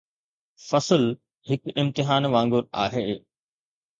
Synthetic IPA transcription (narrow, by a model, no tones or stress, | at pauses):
fɐsəl | hɪkɪmt̪ɪɦaːnʋãːŋɡʊɾa̰ːɦeː